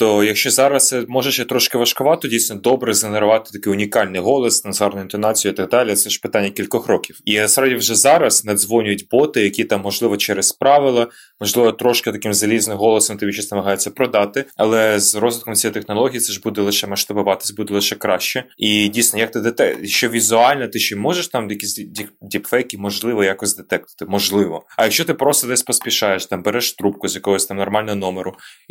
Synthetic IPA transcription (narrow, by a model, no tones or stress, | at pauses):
t̪ɔjɐkʃʲt͡ʃɔzɑɾɐst̪sɛmɔʒeʃjɐt̪ɾɔʃkɪʋɐʃkʊʋɑt̪ɔdʲijsʲnɔd̪ɔbɾɛzeneɾʊʋɑt̪ɪ̥t̪ɐkɪʊnʲikɑlʲnɪjɦɔlˠɔst̪ɐnzɑrnɔjʊint̪ɔnɑt͡sʲijʊit̪ɑɡ̚d̪ɑlʲiɐt̪sɛʒ̥pɪt̪ɑnʲːɐkʲilʲkɔxɾɔkʲiwiɐsɾadʲiwʒɛzɑɾɐsnɐd̪zʋɔnʲʊjʊtʲbɔt̪ɪjɐkʲit̪ɑmːɔʒlˠɪʋɔt͡ʃɛɾɛspɾɑʋɪlˠɐ | mɔʒlˠɪʋɔt̪ɾɔʃkɪt̪ɐkɪmzɐlʲiznɪmɦɔlˠɔsɔmt̪ɪbʲit͡ʃisʲnɐmɐɦɑjet͡sʲːɐpɾɔd̪ɑt̪ɪɐlˠɛzrɔzʋʲɪt̪kɔmt̪ʲsʲijejt̪exnɔlˠɔɦʲijit̪sɛʒbud̪ɛlˠɪʃɛmɐʃt̪ɐbʊʋɑt̪ɪ̥sʲbud̪ɛlˠɪʃɛkɾɑʃt͡ʃɛidʲijsnɔjɐk̚t̪ɪd̪et̪ɛjɐkʃt͡ʃɔʋʲizʊɑlʲnɛt̪ɪʃɪmɔʒeʃt̪ɑmjɐkʲisʲdʲidʲipfɛjkimɔʒlˠɪʋɔjakɔzʲd̪et̪ɛk̚t̪ɐ̥t̪ɪmɔʒlˠɪʋɔɐjɐkʃt͡ʃɔt̪ɪpɾɔst̪ɔd̪ɛsʲpɔsʲpʲiʃɑjeʃt̪ɑmbeɾɛʃt̪ɾup̚kʊzʲjɐkɔɦɔsʲt̪ɑmnɔrmɑlʲnɔɦɔnɔmeɾʊ